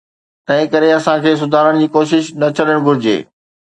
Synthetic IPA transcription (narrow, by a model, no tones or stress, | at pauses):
t̪ɐ̃ɦɪ̃kɐɾeɐsãkʰeːs̬ʊd̪ʱaːɾəɽ̃d͡ʑiːkoːʃɪʃnɐt͡ɕʰɐləɽ̃ɡʱʊɾɪd͡ʑḛː